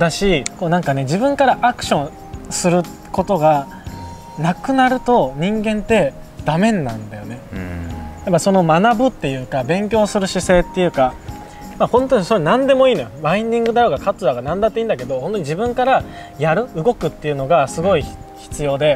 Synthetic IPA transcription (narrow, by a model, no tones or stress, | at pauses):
d̪aɕikoːnãŋkane̞d͡ʑibɯ̟̃ŋkaɾaʔakɯ̟̥ɕõ̞ɰ̃ | sɨɾɯ̟ | ko̞t̪o̞ɡa | nakɯ̟naɾɯ̟t̪o̞ɲ̟ĩŋɡẽ̞nt̪e̞ | d̪̥amẽ̞nːã̰nd̪ajo̞ne̞ | japːaiso̞no̞manabɯ̟t̪ːe̞jɯ̟ːkabẽ̞ŋkʲo̞ːsɨɾɯ̟ɕise̞ːt̪ːe̞jɯ̟ːka | mahõ̞nt̪o̞ɲ̟isoɾenãnd̪e̞mo̞iːno̞jobaĩɲd̪ĩŋɡɯd̪ajo̞ɡakat͡sɨaɡanãnd̪at̪ːe̞ĩːnd̪ake̞d̪o̞hõnt̪oɲ̟id͡ʑibɯ̟̃ŋkaɾa | jaɾɯ̟ɯ̟ɡo̞kɯ̟t̪ːeiɯ̟no̞ɡasɨɡo̞i | çi̥t͡sɨjo̞ːd̪e̞